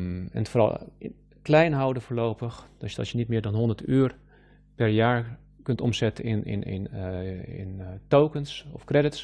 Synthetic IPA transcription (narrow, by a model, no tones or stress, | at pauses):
ɛ̰nətforɑ̰lˠ | klɛjnɦɔwdəfoːɹlowpəxd̥ɔtjədɔ̰sjənitmɪːdɔnɦɔndətyːər | pɛɹjaːɹ | kɵntɔmsɛtəɪn̰nɪ̰n | ɪ̰ntowkənsɔfkrɛdɪts